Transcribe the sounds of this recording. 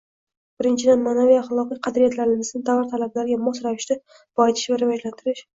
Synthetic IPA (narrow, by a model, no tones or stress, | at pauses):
b̥ɪɾɪnt͡ʃʰɪd̪anmaːnavijaχlˠɒqijqʰɑd̪ɾijat̪laɾɪnɪzɪnd̪avaɾt̪ʰalablaɾɪɡʲamɒsɾavɪʃt̪a | b̥ɒɪt̪ʰɪ̥ʃvaɾɪvɒd͡ʒlant̪ʰɪɾɪʃ